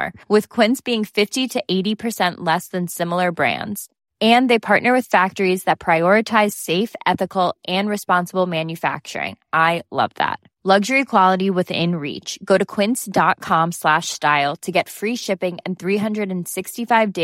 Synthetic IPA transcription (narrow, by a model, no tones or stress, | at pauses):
ɹwɪð̥kʰw̥ɪ̃nsb̥iɪ̃ŋfɪftiɾɨʔeɪɾipʰə˞sɛ̃nʔlɛsðɨ̃nsɪ̃ml̩ˠə˞bɹæ̰̃ndz̥ | ɨ̃nðeɪpʰɑɹʔⁿnə˞wɨð̥fæk̚tə˞izðɨt̚pʰɹ̥aɪɔɹɨtʰaɪz̥seɪfɛθɨkl̩ˠʔɨ̃nɹɨspɑ̃nsəbl̩ˠmæ̃njɨfæ̰k̚t͡ʃə̰˞ɪ̰̃ŋʔaɪlʌ̰vðæ̰t̚ | lʌɡʒə˞ikʰw̥ɑlˠəɾiwɪðɪ̰̃nɹḭt͡ʃɡ̥oʊɾɨkʰw̥ɪ̃nsd̥ɑt̚kʰɑ̃mslæʃstaɪlˠtʰɨɡɛtfɹiʃɪpɪ̃ŋɨ̰̃nθɹiɦʌ̃ndɹɨɾɨ̃n̩sɪkstifaɪvde